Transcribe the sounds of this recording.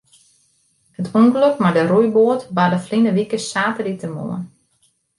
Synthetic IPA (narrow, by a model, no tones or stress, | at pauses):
hətuŋɡløkmadərujboətbadəflinəʋikəsaːtəditəmo̰ə̰n